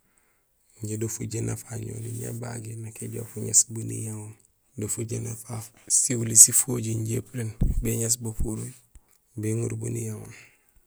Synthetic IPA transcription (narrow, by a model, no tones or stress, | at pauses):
ɲɟidofuɟenafaɲo̰ːniɲa̰baɡinakeɟo̰fuɲa̰sbunḭjawon | dofuɟenafasiwulisifoɟiɲɟḛpɾenbeɲas̬bofuɾuj | beŋuɾbunijawon